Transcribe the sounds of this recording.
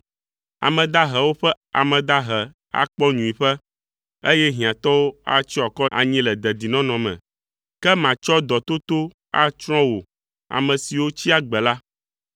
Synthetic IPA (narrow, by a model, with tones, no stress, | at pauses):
a̰˨mɛ̃˨d̪a˦ɦɛ˨wo˦ɸɛ˦ | a̰˨mɛ̃˨d̪a˦ɦɛ˨ | a̰˦˨k͡pɔ˦ɲũ˨i˨ɸɛ˦ | e˦jɛ˦ɦĩ˨ã˨t̪ɔ˦wo˦a̰˦t͡ɕi˦a˨kɔ˦a̰˨ɲĩ˦lɛ˨d̪ɛ˨d̪i˨nɔ̃˦nɔ̃˨mɛ̰̃˨ | kɛ˦mã˨t͡ʃɔ˦d̪ɔ˨t̪o˦t̪o˦ | a̰˦t͡ʃɾ̃ɔ̃˦wo˨ | a̰˨mɛ̃˨si˨wo˦t͡ɕi˦a˦ɡ͡bɛ˨la˦